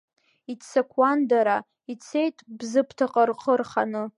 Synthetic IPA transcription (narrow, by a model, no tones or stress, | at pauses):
it͡sʰakʷʰandaɾa | it͡sʰe̞jtʼbzɨpʰtʰaqʼərqʰərχanɨ